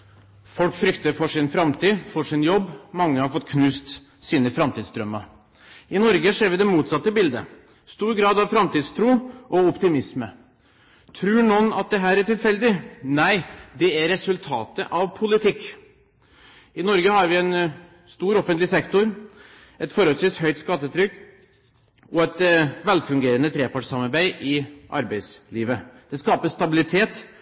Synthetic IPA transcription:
fɔlkfɾʏkt̪əɾfɔʂɪnfɾɑmt̪ʰiːfɔʂɪnjɔbːmɑŋːəhɑɾfɔt̪ːkʰnʉːst̪ | siːnəfɾɑmt̪ʰiːd̪sd̪ɾœmːə | ɪnɔɾɡəʂeːɾʋɪd̪ɛmuːt̪sɑt̪ːəbɪld̪ə | st̪uːɾɡɾɑːd̪ɑʋfɾɑmt̪iːd̪st̪ʰɾuːʔɔɔpt̪ɪmɪsmə | t̪ʰɾʉːɳɔnɑ̰t̪̚d̪ɛɦæːɾæʈɪlfɛld̪ɪnæɪd̪ɛæɾɛsʉlt̪ʰɑːt̪ə̰ʔɑʋpʰʊlɪt̪ʰɪkː | ɪnɔɾɡəhɑɾʋɪɛn | st̪uːɾɔfənt̪lɪsɛkt̪ʊɾ | ɛt̪fɔɾɔlsʋiːsɦœʏt̪skɑt̪ːət̪ʰɾʏkː | ɔɛt̪ʋɛlfʉŋɡeːɾənət̪ʰɾeːpɑʈsɑmɑɾbæɪʔɪʔɑ̰ɾbæɪsliːʋəd̪̥ɛskɑːpəʂt̪ɑbɪlɪt̪ʰeːt̪

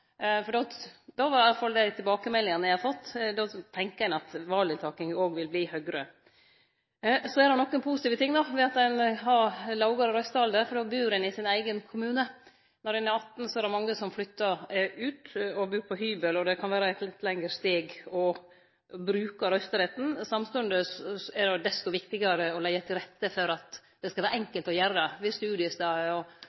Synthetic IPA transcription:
fɔɖɔd̪ɑʋɑɾɑlːɑfɑld̪æɪt̪ʰɪlbɑːkəmɛlːɪŋɑnəjæɪɑfɑt̪ːd̪ɔt̪ʰɛŋkəænɑt̪ʋɑːlɪt̪ʰɑːkɪŋoːɡʋɪlbliːhœɡɾə | sɔɛɾɑnɔkːənpʰuːsɪt̪iːʋət̪ʰɪŋːd̪ɑʋɛɑt̪d̪ɛnɦɑɾlɑʊɡɑɾɔɾœst̪əɑld̪əfɔɖɔbyːɾɛnɪsɪnæɪɡənkʰʊmʉːnə | nɔɾɛnːəɑt̪ːn̩sɔɛɾɛmɑŋːəsɔmflʏt̪ːɑɾʉːt̪ɔbʉːɾpʰɔɦyːbəlɔd̪ɛkʰɑnʋæːɾəɛt̪lɪt̪ːlɛŋəɾst̪eːɡɔ | bɾʉːkɑɾœst̪əɾɛt̪n̩sɑmst̪ʉnd̪əsɛdɛd̪ɛst̪ɔʋɪkt̪ɪɡɑɾəɔlɛɪət̪ʰɪlɾɛt̪ːəfɔɾɑt̪ | d̪ɛskɑlʋæːɾɛŋkəlt̪ɔjæɾəʋɪst̪ʉʉːd̪ɪəsd̪ɑɔ

